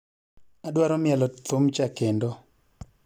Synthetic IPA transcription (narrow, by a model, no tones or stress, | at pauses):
adwaɾɔmɪɛlɔt̪omt͡ʃakendo